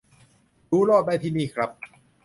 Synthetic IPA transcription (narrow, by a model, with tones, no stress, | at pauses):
duː˦˥ɾoː˥˩t̪̚da˧˥jt̪ʰiː˧˩niː˧˥˩kʰɾa˦˥p̚